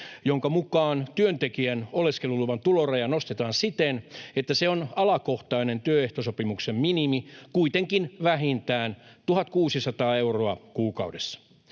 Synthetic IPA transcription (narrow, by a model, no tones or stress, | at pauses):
joŋkɑmukɑːnt̪yønt̪ekiænoleskeluluʋɑnt̪ulorejɑnost̪et̪ɑːnsit̪enet̪ːæseonɑlɑkoht̪ɑinent̪yøeht̪osopimuksemminimikuit̪eŋkinʋæɦint̪æːnt̪uhɑt̪kuːsisɑt̪ɑːeuroɑkuːkɑ̰udesːɑ̥